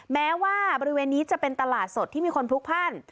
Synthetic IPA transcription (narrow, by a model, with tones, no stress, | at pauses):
mɛː˦˥waː˥˩bɔ˧ɾi˦˥weː˧nːiː˦˥t͡ɕa˨˩pe˧nt̪a˧laː˨˩t̪̚so˨˩t̪ʰːiː˥˩iː˧˩kʰo˧nt̪ʰu˦˥k̚pʰa˥˩n